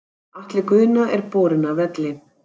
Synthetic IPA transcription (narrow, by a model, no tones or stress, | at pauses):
aht̪lɪkʏːnaʔɛɾpɔːɾɪnavɛt̪lɪ